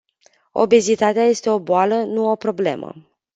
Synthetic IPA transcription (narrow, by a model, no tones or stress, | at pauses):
o̞̰be̞zit̪at̪eaje̞st̪e̞o̞boalənuo̞pɾo̞ble̞̰mʔə̰